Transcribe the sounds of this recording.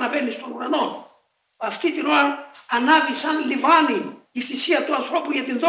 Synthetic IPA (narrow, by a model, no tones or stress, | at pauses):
nɐvenist̪o̞nuɾɐnon | ɐft̪it̪inoɾɐɾɐnɐvisɐnlivaniːθisiɐt̪uɐnθɾo̞puʝɐt̪inðo